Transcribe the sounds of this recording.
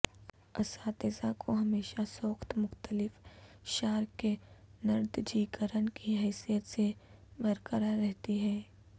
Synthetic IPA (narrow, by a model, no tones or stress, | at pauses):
ɐsaːt̪ezakʰoɦɐmeːʃasoːxt̪mʊxt̪əlɪfʃaːɾkenɐɾd̪d͡ʒiːkəɾənkiɦɛːsijət̪sebɐɾkəɾaɾɛɦt̪iɦɛː